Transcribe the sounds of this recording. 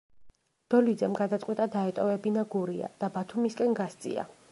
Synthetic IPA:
d̪̥ɔlid̪zɛmɡad̪at̪sʼqʼwɛt̪ʼad̪aɛt̪ʼɔvɛbinaɡuɾia̰d̪̥abat̪ʰumiskʼɛnɡast̪sʼḭa̰

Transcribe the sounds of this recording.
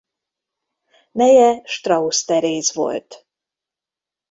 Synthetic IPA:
mɛjɛʃt̪rɒust̪ɛɾeːzvo̞̰lt̪

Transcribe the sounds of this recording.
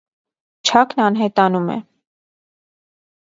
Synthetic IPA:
t͡ʃʰɑknɑnɦɛt̪ɑnumɛ̰

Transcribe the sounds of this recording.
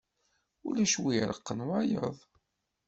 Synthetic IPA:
ulæʃwiɾˤə̰qːənwajə̰ðˤ

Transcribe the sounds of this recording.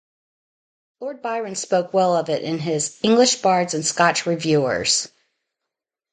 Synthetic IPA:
lɔɹd̚baɪɹɨ̃nspoʊkwɛlˠʌvɪɾʔɪ̃nɪzɪ̃ŋɡlɨʃb̥ɑɹdzɨ̃nskɑt͡ʃɹivjʉə̰˞z̥

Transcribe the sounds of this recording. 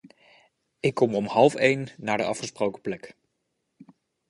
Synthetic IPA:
ɪkːɔmɔmhɑlˠfejnːaːɹdəɑfχəsprowkə̥plɛk

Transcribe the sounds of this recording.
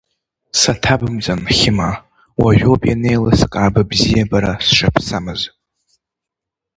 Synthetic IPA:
satʰabɨmd͡zanχʲɪma | waʒʷᶣopʼjane̞jlaskʼaːbabzijabaɾasʃapʰsamɨz

